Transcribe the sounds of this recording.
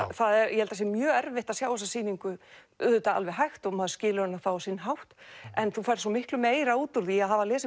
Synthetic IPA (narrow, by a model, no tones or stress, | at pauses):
θaðɛɾjɛhɛlt̪as̬jɛmjœːɛɾvɪht̪aðsjaːwasasiːniŋkʏ | ʏ̰ðʏt̪aa̰lvɛɦajxt̪ɔɣmaːðʏscɪːlɪɾanːafawasinːɦawht̪ɛnθufajɾ̥sɔmɪhklʏmeːjɾauːt̪uɾðiaðɦavalɛːsɪ